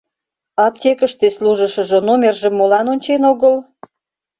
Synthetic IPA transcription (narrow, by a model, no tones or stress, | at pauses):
ɑptʲekəʃt̪esluʒə̆ʃə̆ʒə̆nomʲerʒəmːolɑnonʲt͡ɕenoɣəl